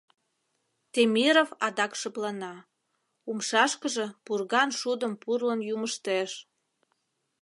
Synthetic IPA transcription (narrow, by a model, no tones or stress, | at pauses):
t̪emʲiɾofɑd̪ɑkʃəplɑnɑ | umʃɑʃkəʒĕpurɣɑnʃud̪əmpurlənjuməʃt̪eʃ